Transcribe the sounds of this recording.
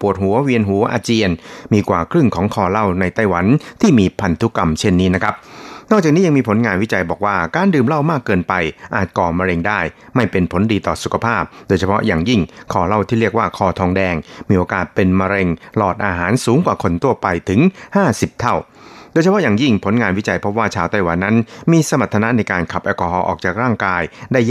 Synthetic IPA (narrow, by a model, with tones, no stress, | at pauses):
pu˨˩ət̪̚hu˨˩˦ɐwi˧ənɦu˨˩˦ɐʔaː˧t͡ɕi˧ənmiː˧kwaː˨˩kʰɾɯ˥˩ŋkʰɔː˩˦ŋkʰɔː˧la˥˩wna˧jt̪a˥˩jwa˩˦nt̪ʰiː˥˩miː˧pʰa˧nt̪ʰu˦˥ka˧mt͡ɕʰe˥˩nːiː˦˥na˦˥kʰa˦˥p̚nɔː˥˩k̚t͡ɕaː˨˩k̚niː˦˥ja˧ŋmiː˧pʰo˩˦nŋaː˧nwi˦˥t͡ɕa˧jbɔː˨˩k̚waː˥˩kaː˧ndɯː˨˩mla˥˩wmaː˥˩kːɤː˧npa˧jʔaː˨˩t̪̚kɔː˨˩ma˧ɾe˧ŋdaː˥˩jma˥˩jpe˧npʰo˩˦ndiː˧t̪ɔː˨˩su˨˩kʰa˧pʰaː˥˩p̚doː˧jt͡ɕʰa˧pʰɔ̰˦˥ʔjaː˨˩ŋji˥˩ŋkʰɔː˧˩la˥˩wt̪ʰiː˥˩ɾi˥˩ək̚waː˥˩kʰɔː˧˩t̪ʰɔː˧ŋdɛː˧ŋmiː˧ʔoː˧kaː˨˩t̪̚pe˧nma˧ɾe˧ŋlɔː˨˩t̪̚ʔaː˧ɦaː˩˦nsuː˨˩˦ŋkwaː˨˩kʰo˧nt̪ʰu˥˩ɐpa˧jt̪ʰɯ˩˦ŋhaː˥˩si˨˩p̚t̪ʰa˥˩w | doː˧jt͡ɕʰa˧pʰɔ˦˥jaː˨˩ŋji˥˩ŋpʰo˩˦nŋaː˧nwi˦˥t͡ɕa˧jpʰɾɔ˦˥waː˥˩t͡ɕʰaː˧wt̪a˥˩jwa˨˦nːa˦˥nmiː˧sa˧ma˨˩t̪ʰːa˧na˦˥ʔna˧jkaː˧nkʰa˨˩p̚ʔɛː˧kɔ˧hɔː˧ʔɔː˨˩k̚t͡ɕaː˨˩k̚ɾaː˥˩ŋkaː˧jdaː˥˩j